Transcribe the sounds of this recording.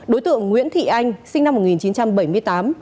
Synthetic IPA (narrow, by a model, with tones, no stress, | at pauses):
ɗo˨˦jt̪ɨ̰˧˨əŋːŋwḭ˧˥ənt̪ʰḭ˧˨ʔa˧jŋ̟sï˧ŋna˧mːo˨˩t̚ŋi˨˩nt͡ɕi˨˦nt͡ɕa˧mɓə˧˩jmɨ˧əjt̪aː˨˦m